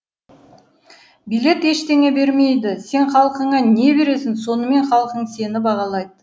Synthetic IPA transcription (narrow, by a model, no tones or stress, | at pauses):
bijle̞t̪e̞ʃt̪e̞ŋe̞be̞ɾme̞jd̪ɪse̞nχɑlˠəqəɴɑne̞be̞ɾe̞sɪnso̞nəme̞nχɑlˠəqəɴse̞nɪbɑʁɑlˠɑjd̪ə